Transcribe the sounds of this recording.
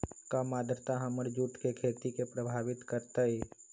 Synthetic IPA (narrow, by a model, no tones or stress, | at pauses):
kamaːd̪ɾət̪aɦəməɾd͡ʒuːʈkekʰeːt̪ikepɾəbʱaːʋɪt̪kəɾt̪əi